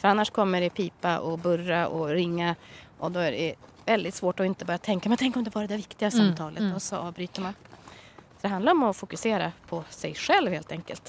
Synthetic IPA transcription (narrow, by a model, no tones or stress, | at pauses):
fœɾanːaʂkʰɔmːəɖɛpʰiːpaʔɔbɵɾːaʔɔɾɪŋːaʔɔd̪ɔæɖɛ | vɛld̪ɪt̪svoːʈɔɪnt̪əbɑːɾat̪ʰɛŋkamɛnt̪ʰɛŋkːɔmd̪ɛvɑːɾad̪ævɪkt̪ɪɡasamt̪ʰɑːlʔət̪ɔsɔʔɑːvbɾyːt̪əɾman | sɔd̪ɛɦand̪aɾɔmɔfʊkɵseːɾa̰pʰɔsɛjɧɛlvheːlt̪ɛŋkə̰lt̪